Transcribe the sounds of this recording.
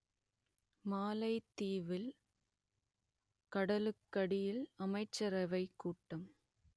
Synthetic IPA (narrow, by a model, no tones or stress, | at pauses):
maːlɐɪt̪ːiːʋɪl | kɐɽɐlɯkːɐɽɪjɪlɐmɐɪt͡ʃːɐɾɐʋɐɪkːuːʈːɐm